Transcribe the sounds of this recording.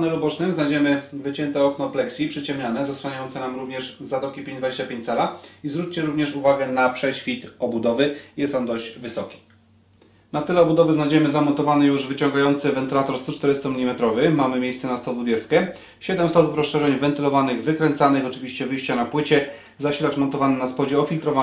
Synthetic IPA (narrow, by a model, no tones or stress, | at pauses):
nɛɾɔbɔt͡ʂnɘmznajd͡ʑɛmɘvɘt͡ɕɛnt̪ɛɔknɔplɛksʲipʂɘt͡ɕɛmɲanɛzaswaɲajɔ̃nt̪sɛnamɾuvɲɛʐzat̪ɔkʲipʲẽɲd͡ʑd̪vad͡ʑeɕt͡ɕapʲẽɲt͡ɕt̪t͡ssɛlaizvɾut͡ɕt͡ɕɛɾuvɲɛʂuvaɡɛnapʂɛɕfʲit̪ɔbud̪ɔvɘjɛst̪ɔnd̪ɔʑd͡ʑvɘsɔkʲi̥ | nat̪ɘlɛɔbud̪ɔvɘznajd͡ʑɛmɘzamɔnt̪ɔvanɛjuʐvɘt͡ɕɔŋɡajɔnt̪sɘvɛnt̪ɘlat̪ɔɾst̪ut͡ʂt̪ɛɾɘst̪ɔmʲilʲimɛt̪ɾɔvɘmamɘmʲjejst̪sɛnast̪ɔd̪vud͡ʑɛst̪̚kʲɛ | ɕɛd̪ɛmst̪ɔt̪ufɾɔsʂɛʐɛɲvɛnt̪ɘlɔvanɘɣvɘkɾɛnt̪sanɘxɔt͡ʂɘvʲiɕt͡ɕɛvɘjɕt͡ɕanapwɘt͡ɕɛ | zaɕilat͡ʂmɔnt̪ɔvanɛnaspɔd͡ʑɛɔfʲilt̪ɾɔva